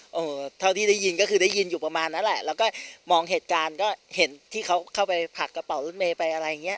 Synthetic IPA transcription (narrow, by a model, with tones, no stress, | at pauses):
ʔɤː˨˧˩t̪ʰa˥˩t̪iː˥˩da˥˩ji˧nkɔː˥˩kʰɯː˧daː˥˩ji˧njuː˨˩pa˧maː˧nːa˦˥nlɛ˨˩ʔlɛː˦˥wkɔː˥˩mɔː˧ŋɦeː˨˩t̪̚kaː˧nkɔː˥˩he˩˦nt̪ʰiː˥˩kʰa˦˥wkʰa˥˩wpa˧jpʰa˨˩kːa˧pa˨˩˦wlɤː˦˥˩n̚meː˧pa˧jʔa˧ɾa˧jŋi˦˥ɐ˧ʔ